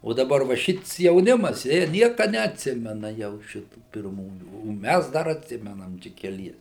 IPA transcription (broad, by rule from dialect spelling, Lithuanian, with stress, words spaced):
oː dɐˈbɐr ʋɐ ˈʃʲɪts jɛʊˈnʲɪmɐs jiɛ ˈnʲiɛkɐ nʲɛɐtʲˈsʲɪmʲɛnɐ jɛʊ ˈʃʲɪtuː pʲɪrˈmuːjuː oː ˈmʲæs ˈdɐr ɐtʲˈsʲɪmʲɛnɐm ˈt͡ʃʲɛ kʲɛˈlʲiɛs